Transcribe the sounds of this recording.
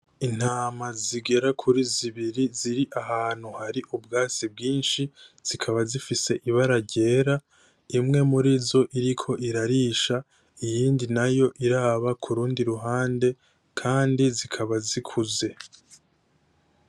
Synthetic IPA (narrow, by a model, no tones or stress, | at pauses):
in̥haːmaziɡe̞ɾakʰuɾiziβiɾiziɾiʔaɦaːn̥huhaɾiʔubɡaːt͡sibɡiːnʃiz̥ikʰaβazifise̞ʔiβaɾaɟe̞ːɾa | imŋe̞muɾizo̞ʔiɾikʰo̞ʔiɾaɾiːʃa | ijiːndinajo̞ʔiɾaːβakʰuɾuːndiɾuɦaːnde̞ | kʰaːndizikʰaβazikʰuze̞